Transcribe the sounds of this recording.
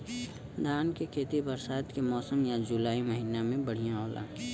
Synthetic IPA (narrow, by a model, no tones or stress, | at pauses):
d̪ʱaːnkekʰeːt̪ibəɾsaːt̪kemɔːsəmjad͡ʒʊlaːiməɦiːnamẽbɐɽ̤ijãɦoːlã̰ː